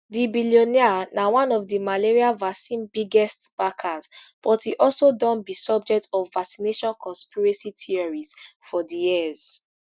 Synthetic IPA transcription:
dibiliɔnianawãnɔvdimaleɹialvasĩnbiɡɛstb̥akʰazb̥ɔthiʔɔlsodɔ̃nbisɔb̚d͡ʒɛk̚tʰɔvːaksineʃɔ̃nkʰɔ̃nspiɹesitʰiɔɹiz̥fɔdijiz̥

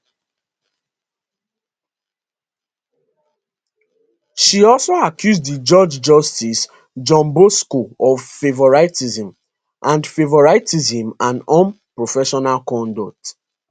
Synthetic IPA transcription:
ʃiɔlsoakjuzddid͡ʒɔd͡ʒd͡ʒɔstis | d͡ʒɔ̃mboskoɔvfevɔɹatizĩm | ʔãndfevɔɹaɪtizĩmãnɔ̃npɹofɛʃɔnalkɔ̃ndokt

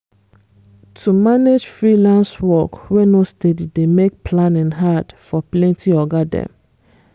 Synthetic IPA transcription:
tʰumaned͡ʒfɹilãnswɔkwɛnostedidemek̚pʰlãnɛ̃nɦad̥fɔplɛ̃ntiɔɡadɛ̰̃m

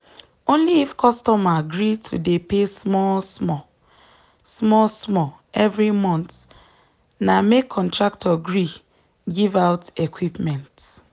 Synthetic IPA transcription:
õnliːfkʰɔstɔmaɡɾitʰṵdepesmɔlsmɔ | smɔlsmɔ | ɛvɾimɔ̃nt̪ | namekʰːɔ̃ntɹaktʰɔɡɾi | ɡivaʊtekwipmɛ̃nt

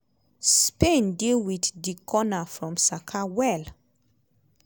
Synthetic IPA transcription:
spẽndilwiðdikʰɔnafɹɔ̃msakʰawɛl

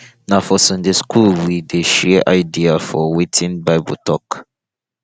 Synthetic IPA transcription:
nafɔsə̃nd͡ʒeskʰulwideʃɛʔaɪdiafɔwetʰĩnbaɪbṵtʰɔk

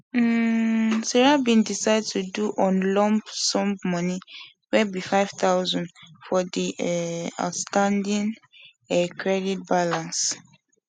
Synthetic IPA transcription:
sɛɹabĩndisaɪd̚tʰuduʔɔ̃nlɔ̃mbsɔ̃mbmɔni | wɛbifaɪv̥taʊzɔ̃ndfɔdi | a̰tstãndĩn | ɛkʰɹɛdit̚balãns

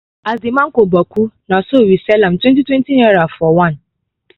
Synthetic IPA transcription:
azimãŋ̩kobakʰunãɔsowisɛlãmtʰwɛ̃ntitwɛ̃ntiiafɔwãn

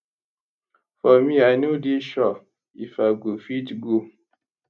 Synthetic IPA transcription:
fɔmianudiʃɔ | ifaɡufitɡu

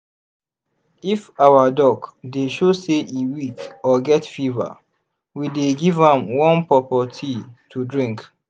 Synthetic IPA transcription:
ifawədɔkdeʃoseʔiwikɔɡɛtfivə̰ | wideɡivə̃mwɔ̃npɹɔpətʰitʰudɹĩŋk

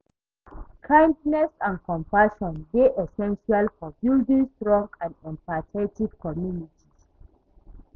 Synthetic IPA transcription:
kʰãj̃ndnɛsãnkɔ̃mpaʃɔ̃nbeʔɛsɛ̃nʃialkɔpjuldĩstɹɔ̃ŋɡãndĩmpatʰetiv̥kɔmjunitʰiz

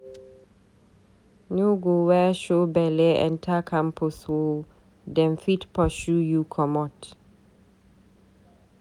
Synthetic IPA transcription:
nuɡowɛʃobɛlɛɛ̰̃ntʰakʰãmpʰoswo | dɛ̃nfitpɔʃujukʰɔmɔt

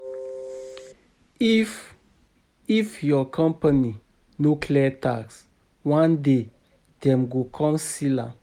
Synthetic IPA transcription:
ifjɔkʰɔ̃mpani | nokʰlɛtaks | wãnde | d̥ɛ̃mɡokʰɔ̃msila̰

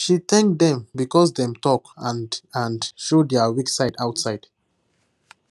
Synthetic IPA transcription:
ʃit̪ɛ̃ŋkd̪ɛ̃mbikɔsdɛ̃mtɔkãnãndʃodɛəwiksaɪdaʊtsaɪd̥

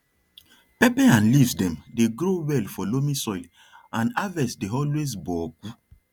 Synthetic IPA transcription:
pɛpɛãnlivsdɛ̃mdeɡɾowɛlfɔlomisɔjl | ãnavɛsdeɔlwes̬bɔɡ̥u

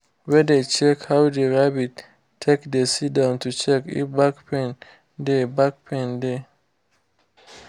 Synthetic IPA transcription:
wɛdet͡ʃɛkhawdeɹabitʰː | ekdesidãntut͡ʃɛkḭbakpʰɛ̃n | debak̚pʰɛ̃nde

